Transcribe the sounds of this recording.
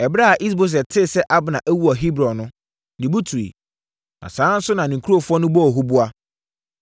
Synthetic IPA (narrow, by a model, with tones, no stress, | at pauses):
ɛ˨bɾa˦a˨ʔi˦s̬bo˦s̬ɛ˨tʰɪ˦˨sɛ˦ʔa˦bnã˨ʔæ˦wu˦a˨ɦi˦bɾɔ̃˨nʊ̃˦ | nĩ˨bu˦tʰu˨ɾḭ˨ | nã̰˨sãː˨˦n̩˦sʊ˦nã˨nɪ̃˨kʰu˦ɾo˦˨fɔ˦nʊ̃˦bɔ˦ɔ˨ɦʊ˦bu˦a˦